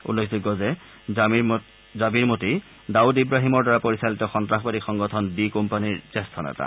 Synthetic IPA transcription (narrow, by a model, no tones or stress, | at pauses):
ṵlːekʰziɡɔzɛ | zabiɹmoti | daudibɹaɦimɔɹdaɹapoɹisalitɔxɔntɹaxbadikxɔŋɡɔtʰɔnbikompaniɹsɛstʰɔnɛ̰ta̰